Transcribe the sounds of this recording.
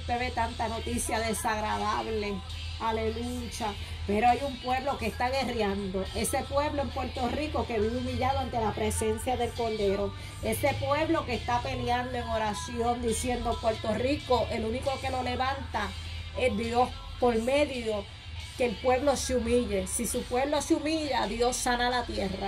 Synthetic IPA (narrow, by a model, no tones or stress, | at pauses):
t̪e̞βe̞t̪ant̪ano̞t̪isjaðe̞saɣɾaðaβle̞ | ale̞lut͡ʃa | pe̞ɾo̞ajumpwe̞βlo̞ke̞st̪aɣe̞rjand̪o̞ʔe̞se̞pwe̞βloempwe̞ɾt̪o̞riko̞ke̞βiumiʎaðoant̪e̞lapɾe̞se̞nsjaðe̞lko̞ld̪e̞ɾo̞ | e̞se̞pwe̞βlo̞kest̪ape̞ljand̪oe̞ŋo̞ɾasjõ̞nd̪isje̞nd̪opwe̞ɾt̪o̞riko̞ʔe̞luniko̞ke̞lo̞le̞βant̪a | e̞ɦd̪jo̞s | po̞ɾmẽ̞ðjo | ke̞ːlpwe̞βlo̞seumiʎe̞sisupwe̞βlo̞seumiʎaðjo̞ssanalat̪je̞ra